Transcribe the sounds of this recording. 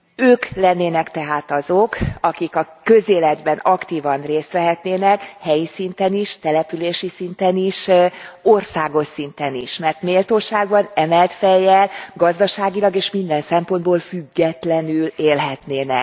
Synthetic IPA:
øːklɛnːeːnɛkt̪ɛɦaːt̪ɒzo̞kɒkikɒkø̞zeːlɛd̪bɛnɒkt̪iːvɒnreːst̪ʋɛɦɛt̪neːnɛkhɛjisint̪ɛniʃt̪ɛlɛpyleːʃisint̪ɛniʃorsaːɡo̞ʃsint̪ɛnḭʃmɛrt̪meːlt̪oːʃaːɡbɒnɛmɛlt̪fɛjːɛlɡɒzd̪ɒʃaːɡilɒɡeːʃmind̪ɛnsɛmpo̞nd̪̚boːlfyɡːɛt̪lɛnyleːlɦɛt̪neːnɛ̰k̚

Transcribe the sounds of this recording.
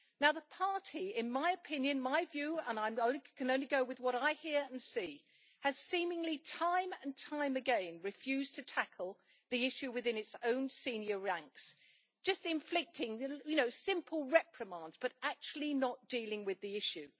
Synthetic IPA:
naʊðəpʰɑɹɾiɪ̃nmaɪɨpʰɪ̃njɨ̃nmaɪvjʉə̃nãɪ̃mõʊ̃nkʰɨ̃nõʊ̃nliɡoʊwɨðwʌɾaɪhiɹɨ̃nsi | ɨz̥sĩmɪ̃ŋlitʰãɪ̃mɨ̃ntʰãɪ̃mɨɡɛ̃nɹɨfjʉz̥tʰɨtʰækʰl̩ˠ | ðiɪʃʉwɨðɪ̃nɨtsõʊ̃nsĩnjə˞ɹæ̃ŋks | d̥ʒ̥ʌstɨ̃ɱflɪk̚tɪ̃ŋjɨnoʊsɪ̃mpʰl̩ˠɹɛpʰɹ̥ɨmɑ̃ndz̥b̥ʌɾæk̚t͡ʃʉl̩ˠinət̚d̥ilˠɪ̃ŋwɨðiɪʃʉ

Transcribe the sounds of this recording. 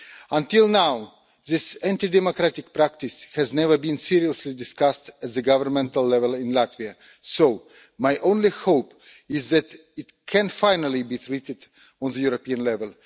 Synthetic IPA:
ə̃ntɪlˠnaʊ | ðɪsæ̃ntidɛmokɹætɪk̚pɹæk̚tɪshɛznɛvə˞bĩnsiɹiəslidɪskastæt̪̚ðəɡʌvə˞mɛ̃ntəlˠːɛvəlˠɪ̃nlæt̪via | soʊ | majʔõʊ̃nlihoʊp | ɪzðɨt | ɪtkʰɛ̃nfãɪnəlˠibit̪ʰɹitɪd | ɔ̃nðəjuɹopiə̃nlɛvəlˠ

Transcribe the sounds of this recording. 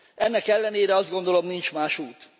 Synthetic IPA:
ɛnːɛkɛlːɛneːɾɛɒzd̪ɡo̞nd̪o̞lo̞mnint͡ʃmaːʃuːt̪

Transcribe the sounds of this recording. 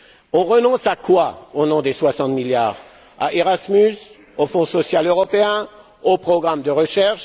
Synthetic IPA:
ɔ̃ʁənɔ̃sakwaonɔ̃d̪eswasɑ̃t̪miljaːʁ | a̰ʔeʁasmys | ofɔ̃sɔsjaløʁɔpeɛ̃ | opχɔɡʁamd̪əʁəʃɛʁʃ

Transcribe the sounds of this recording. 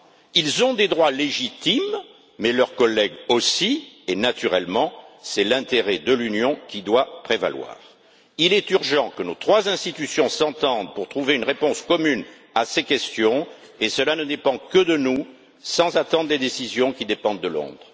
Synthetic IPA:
ilzɔ̃d̪ed̪ʁwaleʒit̪imː | ɛlœʁkɔlːɛɡosienat̪yʁɛlmɑ̃sɛlɛ̃t̪eʁɛd̪əlynjɔ̃kʲid̪wapχeva̰lwa̰ːʁ | ilɛt̪yʁʒɑ̃kənot̪χwazɛ̃st̪it̪ysjɔ̃sɑ̃t̪ɑ̃d̪puʁt̪χuveynʁepɔ̃skɔmyn | asekʲɛst̪jɔ̃ | esəlanəd̪epɑ̃kəd̪ənu | sɑ̃zat̪ɑ̃d̪ʁled̪esizjɔ̃kʲid̪epɑ̃d̪ːəlɔ̰̃d̪ʁ

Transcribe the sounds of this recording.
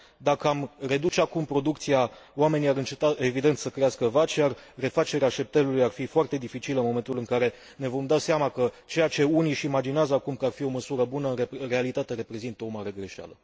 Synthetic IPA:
d̪akəamre̞d̪ut͡ʃeakumpɾo̞d̪ukt̪sijawame̞nijaɾɨnt͡ʃe̞t̪ae̞vid̪e̞nt̪səkɾeaskəvat͡ʃjarre̞fat͡ʃe̞ɾeaʃe̞p̚t̪e̞lulujarfifoart̪e̞d̪ifit͡ʃiləɨnmo̞me̞nt̪ulɨŋkaɾe̞ | ne̞vo̞md̪aseamakət͡ʃe̞jat͡ʃe̞uniʃiːmad͡ʒineazəakumkəarfio̞məsuɾəbunəɨerealit̪at̪e̞ɾe̞pɾe̞zint̪əo̞maɾe̞ɡɾe̞ʃa̰lə

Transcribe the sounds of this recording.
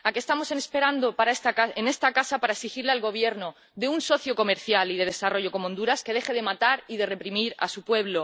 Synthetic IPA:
akest̪amo̞sene̞spe̞ɾand̪opaɾaest̪aaene̞st̪akasapaɾaeksixiɾlealɣo̞β̞je̞ɾno̞ | ðe̞unso̞θjo̞ko̞me̞ɾθjalið̞e̞ð̞e̞saro̞ʝo̞ko̞mond̪uɾaske̞ð̞e̞xe̞ð̞e̞mat̪aɾið̞e̞re̞pɾimiɾa̰supwe̞β̞lo̞

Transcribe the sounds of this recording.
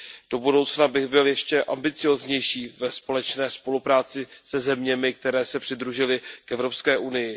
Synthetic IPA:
d̥o̞budo̞wt͡snabɪɣbɪljɛʃcɛʔa̰mbɪt͡sɪjo̞ːzɲɛjʃiːvɛspo̞lɛt͡ʃnɛːspo̞lupɾaːt͡sɪsɛzɛmɲɛmɪk̚t̪ɛɾɛːsɛpr̥ɪdɾuʒɪlɪkɛvɾo̞pskɛːʔunɪjɪ

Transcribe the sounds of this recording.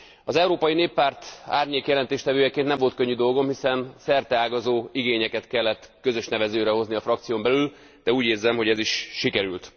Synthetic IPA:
ɒzɛuɾoːpɒjineːpːaːrt̪a̰ːrɲeːkjɛlɛnt̪eːʃt̪ɛvøːjɛkeːnnɛɱvo̞lt̪̚kø̞ɲːyd̪o̞lɡo̞mhisɛnsɛrt̪ɛaːɡɒzoːiɡeːɲɛkɛt̪kɛlːɛt̪ːkø̞zø̞ʃnɛvɛzøːɾɛɦo̞zniɒfrɒkt̪sijombɛlyl | d̪̥ɛuːɟeːrzɛmho̞ɟɛziʃːikɛɾylt̪

